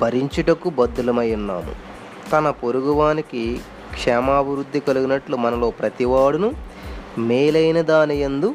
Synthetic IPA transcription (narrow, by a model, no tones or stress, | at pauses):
pɐɾiɲt͡ʃiɖɐkubɐd̪ːulɐmɐjunːa̰ːmṵ | t̪ɐnɐpoɾuɡuʋaːniki | kʂɛːmaːbʱiɾud̪ːikɐluɡunɐʈlumɐnɐlo̞ːpɾɐt̪iʋaːɽunu | meːlɐjnɐd̪aːnijend̪u